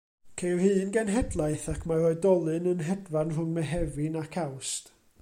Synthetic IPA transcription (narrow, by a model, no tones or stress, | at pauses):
kʰejrhɨːnɡɛnɦɛdlˠaɨθakʰmarɔɨdɔlˠɨnənɦɛdvanrʊŋmɛɦɛvɪnakʰawst